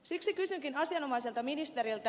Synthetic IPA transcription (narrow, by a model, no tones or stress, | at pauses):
siksikysyŋkinɑsiɑno̞mɑjselt̪ɑminist̪eɾilt̪ɑ